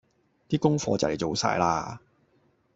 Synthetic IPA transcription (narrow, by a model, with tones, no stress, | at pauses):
t̪iː˥kʊ˥ŋfɔː˧t͡sɐ̰˨wle˨˩jt͡ʃo˨wsa̰ː˧jla̰ː˧